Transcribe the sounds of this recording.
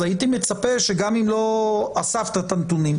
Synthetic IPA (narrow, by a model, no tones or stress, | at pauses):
ait̪ime̞t͡sape̞ʃe̞ɡamimlo̞asaft̪at̪ant̪unim